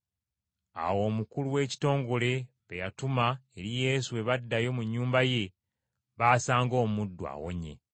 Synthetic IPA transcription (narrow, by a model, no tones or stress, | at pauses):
a̰wo̞ːmukuluwe̞ːci̥to̞ːŋɡo̞le̞ | βejatumae̞ɾije̞ːsuwe̞βadːajo̞muɲːuːmbaje̞ | βaːsaːŋɡo̞ːmudːwa̰wo̞̰ɲe̞̰